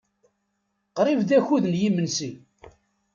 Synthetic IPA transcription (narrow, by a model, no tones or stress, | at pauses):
qɾivðæçuðnjimənsi